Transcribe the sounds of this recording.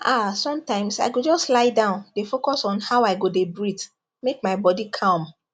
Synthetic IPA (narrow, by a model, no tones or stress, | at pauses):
asɔ̃mtãɪ̃msa̰ɪɡod͡ʒɔstlaɪdãʊ̃ndefokɔsɔ̃nhaʊaɪɡodebɹit | mek̚maɪbɔdikʰɔ̃m